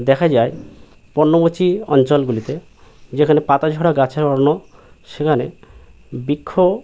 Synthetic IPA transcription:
d̪ɛkʰad͡ʒae | pɔnːomot͡ʃiɔnt͡ʃɔlɡulit̪e | d͡ʒekʰanepat̪ad͡ʒʱɔɽaɡat͡ʃʰeɾɔɽnɔ | ʃekʰane | bikʰːo

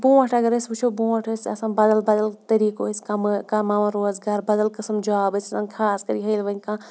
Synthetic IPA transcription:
bũːɐʈʰɐɡɐɾɐsbut͡ʃʰobũːɐʈʰəsʲɐ̰sãːnbɐd̪ɐlbɐd̪ɐlt̪ɐɾiːkoisʲkamkamaːʋãɾoːzɡaːɾbɐd̪ɐlkɐsɐmd͡ʒaːbɐsʲɐsãːnkʰaːskɐɾiɦɐjlʋɐnʲkãː

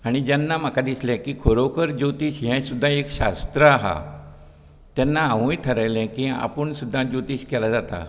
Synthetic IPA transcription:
aɽ̃id͡ʑanːam̤akad̪islɛ̃kiːkʰoɾokʰəɾd͡ʑot̪iːɕɦɛ̃sud̪ʱːãekɕa̰st̪ɾəaɦa̰ | t̪jɛnːaːʋũjt̪ʰəɾəjlɛ̃kia̰pəɳsud̪ʱːãd͡ʑot̪iːɕkɛlad͡zat̪a̰

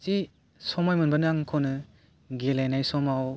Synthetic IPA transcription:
ti | sɔmajmɯnbanaŋkʰɔnɯ | ɡelajnajsɔmaw

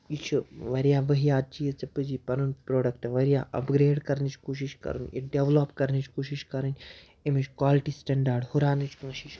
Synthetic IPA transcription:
it͡ʃʰuʋɐɾjaːʋɐɦijaːt͡ʃijɐt͡sɐpɨd͡ʒipɐɾunpɾoːɖɐkʈʋɐɾijaːʔɐ̰pɡɾeːɖkɐɾnit͡ʃʰkoːʃ̬iʃkɐ̰ɾṵniɖeʋlopkɐɾnɨt͡ʃʰkoːʃiʃkɐɾɨnʲ | emit͡ʃʰkʋaːlʈisʈɛɳɖaːɾɖhuɾaːnɨt͡ʃʰkɐ̃ːʃit͡ʃ

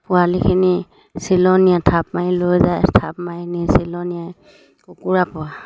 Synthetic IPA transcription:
pʊalikʰini | silɔnijatʰap̚mailojzajtʰapmajnisilɔnijaj | kʊkuɹapɔwa

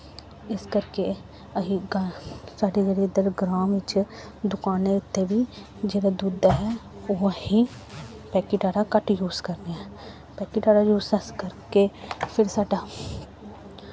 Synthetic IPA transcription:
ɪskɐɾke | ɐɦiɡsaːɖed͡ʒɐɽed̪əɾɡɾaːmɪt͡ʃd̪ʊkaːneʊt̪ːebʱi | d͡ʒeːɾad̪uːd̪aɦɛ | ʊhĩ | pɛːkiʈaːɾakɐʈjuːzkɐɾniɛ | pɛːkiʈaːɾajuːzɐskɐɾkepʰɪɾsaːʈa

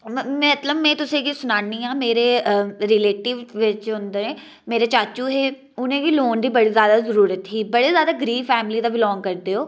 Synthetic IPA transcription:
mɛ̃ːət̪ləbmɛ̃ːt̪ʊsẽːkisʊnaːniãːmeːɾeːɾɪleːʈɪʋːɪt͡ʃɦʊnd̪eẽː | meːɾeːt͡ʃaːt͡ʃuːɦeː | ʊnẽːkiːloːnd̪iːbəɽizjaːd̪aːzəɾuːɾət̪ɦiːbəɽezjaːd̪aːɡəɾiːʋfɛːmɪliːd̪aːbɪlɔ̃ːŋɡ̚kəɾd̪eːɦoː

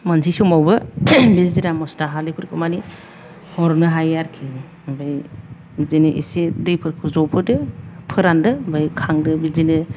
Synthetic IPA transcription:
mansʰisɔmawbɯbiziɾamɔstaɦalipʰɯɾkʰɯmani | hɔɾnɯɦajaɾkʰi | baj | bizinɯʔḭsedɯjpʰɯɾkʰɯzɔpʰɯdɯpʰɯɾandɯbajkʰaŋdɯbizinɯ

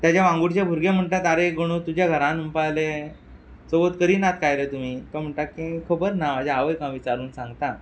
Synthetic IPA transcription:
t̪jat͡ɕjaʋãŋɡuɽt͡ɕabʱuɾɡem̤əɳʈ̪at̪aɾeɡoɽ̃ut̪ud͡ʑjaɡʱəɾãnumpajle | sobot̪kəɾiːnat̪ʰkajɾet̪um̤iːk̪am̤əɳʈakːikʰobəɾnamad͡ʑaaʋəjkãʋit͡ɕaɾuːnsãŋɡt̪a

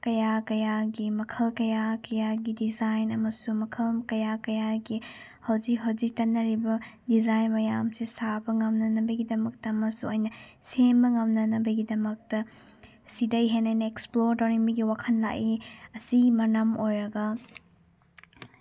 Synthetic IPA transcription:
kɐjakɐjaɡimɐkʰɐlkɐjakɐjaɡidizajnɐmɐsumɐkʰɐlkɐjakɐjaɡi | hɐwzikɦɐwzik̚tɐnːɐɾibɐdizajnmɐjamsisabɐŋɐmnɐnɐbɐɡidɐmɐk̚tɐːmɐsuɐjnɐsembɐŋɐmnɐnɐbɐɡidɐmɐk̚tɐ | sidɐjɦenajnɐeksploɾtoɾiŋbiɡiwakʰɐnla̰kiɐsimɐnɐmojɾɐɡɐ

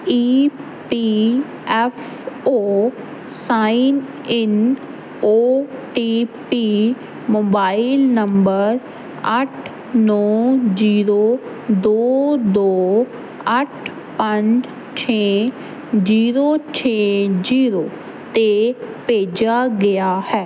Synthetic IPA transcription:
iː | pi | ɛfʰ | oː | saːin | ɪn | oːʈiːpiː | moːbaːɪlnəmbəɾ | əʈʰ | nɔːziːɾoː | d̪oːd̪oː | əʈʰ | pəɲd͡ʒ | t͡ʃʰeː | d͡ʒiːɾoːt͡ʃʰeːd͡ʒiːɾoː | t̪eːpeːd͡ʒaːɡɪjaːhɛː

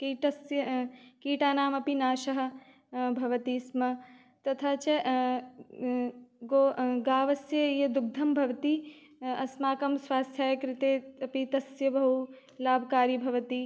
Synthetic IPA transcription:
kiːʈɐsjɐkiːʈaːnaːmɐpinaːʃɐɦɐ̆ | bʱɐʋɐt̪iːsmɐ | t̪ɐt̪ʰaːt͡ʃɐ | ɡoɡaːʋɐsjɐjɐd̪uɡ̚d̪ʱɐmbʱɐʋɐt̪i | ɐsmaːkɐmsʋaːst̪ʰjaːjɐkɾɪt̪eːɐpit̪ɐsjɐbɐɦu | laːbʱkaːɾjibʱɐʋɐt̪i

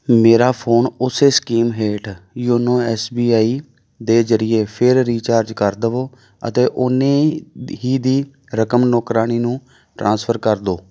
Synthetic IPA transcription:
meːɾaːpʰoːnʊseːskiːmɦeːʈjoːnõːɛːsbiːaːiː | d̪eːzəɾɪjeːpʰɪɾɾiːt͡ʃaːɾd͡ʒkəɾd̪əʋoː | ə̰t̪eːʔʊnẽːɦiːd̪iː | ɾəkəmnoːkɾaːniːnũː | ʈɾãːnspʰəɾkəɾd̪oː

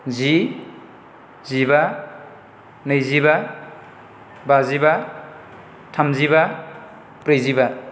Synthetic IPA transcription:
zi | ziba | najziba | baziba | tʰamziba | pɾejziba

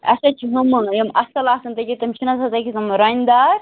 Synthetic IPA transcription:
ɐ̰sɐt͡ʃʰiɦɐmɨjɐmɐsɐlaːsɐnt̪ɐkʲit̪ɐmt͡ʃʰinɐsʰɐt̪ɐkʲit̪ɐmɾɐnʲd̪aɾ

